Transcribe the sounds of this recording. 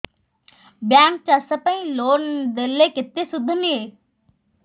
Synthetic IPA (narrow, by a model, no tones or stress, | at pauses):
bjãːŋk̚t͡ɕasɐpə̃ĩloːnd̪ɪlekɪt̪esʊd̪ʱəniɦeː